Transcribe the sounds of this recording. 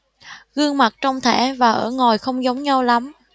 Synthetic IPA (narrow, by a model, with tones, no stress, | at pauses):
ɣɨ˧əŋma˨˩t̚t͡ɕɔ˧wŋ͡mt̪ʰe˧˩vaː˨˩ʔəː˧˩ŋɔ˨˩jxə˧wŋ͡mzə˨˦wŋ͡mɲa˧wla˨˦m